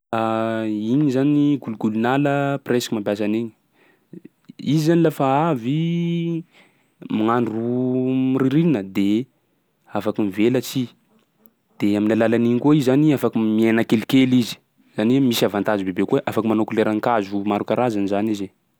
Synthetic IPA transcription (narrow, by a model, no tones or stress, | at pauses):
aiɲizaniɡuluɡulunaləpreskimambjas̬aneɲi | izizanilafaavi | maŋanrumiriɾiinəd̪e | afakimivelət͡si | d̪̥eaminalalaniɲkoizzaniafakimienakelikelizi̥ | z̥animisavant̪azibebekueʔafakimanokuleɾaŋkazumaɾukaɾazanizanize